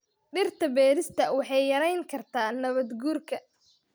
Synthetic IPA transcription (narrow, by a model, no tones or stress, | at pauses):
ɖɪrt̪ʰɐbɛːɾɪst̪ʰɐwɑħɑjːɐɾɛjŋkʰɐrt̪ʰaːnɐβɐd̪ɡuːrkʰɐ